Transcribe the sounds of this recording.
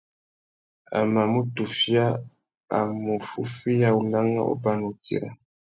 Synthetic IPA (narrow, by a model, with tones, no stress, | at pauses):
a̰˨ma˨mu˦tu˨fja˦ | a̰˨mu˨fu˦fi˦ja˦u˨la˦ŋa̰˦ʔo̰˦ba˦nu˨kḭ˨ɾa̰˨